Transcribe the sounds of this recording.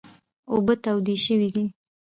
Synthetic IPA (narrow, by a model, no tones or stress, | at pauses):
obət̪awd̪iʃəwid̪i